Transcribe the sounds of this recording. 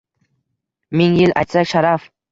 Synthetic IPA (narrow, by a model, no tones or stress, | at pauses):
mɪŋjɪlʔa̰jt̪sakʲʃaɾaf